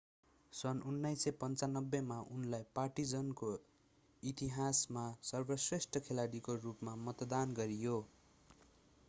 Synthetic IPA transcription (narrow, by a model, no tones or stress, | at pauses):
sʌnunːʌjsepʌnt͡sanʌbːemaʔunlajpaʈid͡zʌnko | it̪iɦasmasʌrbʌsresʈʰʌkʰelaɽikorupmamʌt̪d̪anɡʌɾijo